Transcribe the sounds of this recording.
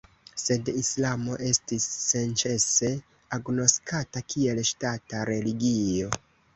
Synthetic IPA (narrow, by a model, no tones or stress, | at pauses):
se̞dislamo̞̰ʔe̞stisːe̞nt͡ʃe̞se̞ | aɡno̞skatakie̞lʃtataɾe̞liɡio̞